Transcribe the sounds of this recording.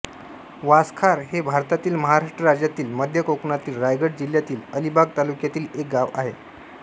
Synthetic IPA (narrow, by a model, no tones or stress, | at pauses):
ʋaskʰaɾɦebʱaɾt̪at̪iːlməɦaɾaʂʈɾəɾad͡ʑjat̪iːlməd̪ʱjəkokɳat̪iːlɾajɡəɽd͡ʑiljat̪iːləlibʱaɡ̚t̪alukjat̪iːlek̚ɡaʋa̰ɦe